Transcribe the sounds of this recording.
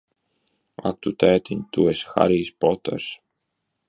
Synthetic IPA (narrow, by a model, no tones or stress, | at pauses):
a̰k̚t̪ut̪æːt̪inʲt̪uesxa̰ɾiːspɔt̪ɛ̰ɾs